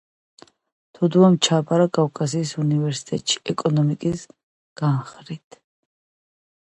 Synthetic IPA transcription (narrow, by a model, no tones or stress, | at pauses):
t̪ʰɔd̪uamt͡ʃʰapʼaɾakʼafkʼasiːsunivɛɾsi̥t̪ʼɛt̪ʼʃi̥ɛkʼɔnɔmikʼis | ɡ̥anχɾit̪ʰ